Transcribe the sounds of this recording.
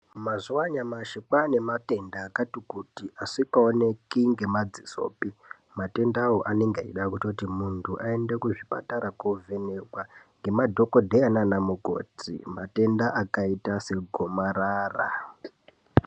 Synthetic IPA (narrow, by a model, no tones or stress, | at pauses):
mazuwaɲamaʃikane̞mate̞ndaːkatikutiʔasikaone̞kiŋɡe̞mad͡ziso̰ːpi | mate̞ndawoʔane̞ŋɡaiɗakutotimuntʰuʔae̞ndekuʐipa̰taɾakovʱenekwaŋɡe̞madʱo̞ko̞dʱeananamuɡʱo̰ːt͡sḭmate̞ndaʔakaitase̞ɡʱomaɾaːra